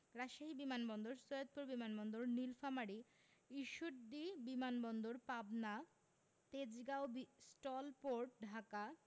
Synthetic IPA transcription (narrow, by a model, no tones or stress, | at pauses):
ɾaʃaɦibimanbɔnd̪oɾsojod̪̚puɾbimanbɔnd̪oɾnilfamaɽi | iʃuʈ̚d̪ibimanbɔnd̪oɾpabna | t̪ed͡ʑɡaobisʈɔlpoɾʈɖʱaka